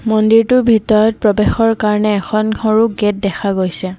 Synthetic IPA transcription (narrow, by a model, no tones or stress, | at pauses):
mɔndiɹtʊbʱitɔɹɔt̚pɹɔbexɔɹkaɹɔnɛːkʰɔnɔɹuɡet̚dɛxʰaɡojsɛ